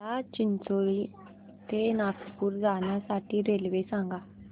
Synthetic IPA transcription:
lat͡ɕint͡soɭi | t̪enakpuːɾd͡zaɳjasaʈʰiːɾelʋesãŋɡa

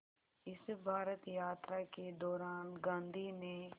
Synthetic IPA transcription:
ɪsbʱaːɾət̪jaːt̪ɾaːked̪ɔːɾaːnɡãːnd̪ʱinẽ

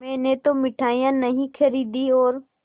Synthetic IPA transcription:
mẽːnet̪omɪʈʰaːijãnɐɦĩkʰɐɾiːd̪iɔːɾ

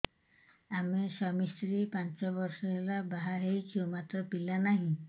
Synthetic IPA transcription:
amesɔmist̪ɾipant͡ʃɔbɔɾsɔɦelabaɦaɦejt͡ʃʰiwmat̪ɾɔpilanaɦĩ

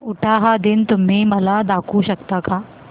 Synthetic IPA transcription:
ʊʈʰaɦad̪ɪnt̪um̤ɦĩməlad̪akʰuɕɐkt̪aka

